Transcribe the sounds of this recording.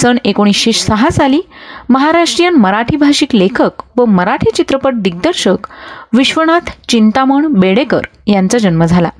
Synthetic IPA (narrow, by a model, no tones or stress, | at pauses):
səɳekoɽ̃isɕeɕsəɦasaliːməɦaɾaʂʈɾijanməɾaʈʰibʱaɕiklekʰəkʋəməɾaʈʰiːt͡ɕit̪ɾəpəʈ̚d̪iɡ̚d̪əɾɕəkʋiɕʋəɳ̃at̪ʰt͡ɕint̪aməɳbeɽekə̰ɾ | jant͡sad͡ʑənməd͡zʱala̰